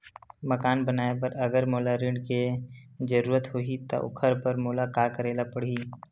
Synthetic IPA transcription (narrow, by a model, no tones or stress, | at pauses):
məkaːnbənaːep̬ɐɾɐɡəɾmoːlaɾɪ̃ɳɖked͡ʒəɾuːɾət̪ɦoit̪a̰ʔʊ̰kʰəɾpəɾmoːlakaːkəɾeːlapəɽ̤iː